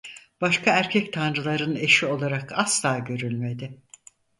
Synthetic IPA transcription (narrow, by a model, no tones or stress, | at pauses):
b̥aʃkʰaæɾcʰɛct̪ʰanɾɯlˠaɾɯne̞ʃio̞lˠaɾakʰaslˠaːɟø̞ɾylʲme̞d̪ɪ